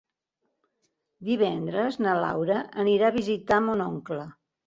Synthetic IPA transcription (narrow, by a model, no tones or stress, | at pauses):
d̪iβ̞ɛnd̪ɾəznəla̰wɾəəniɾaβizit̪amonɔŋklə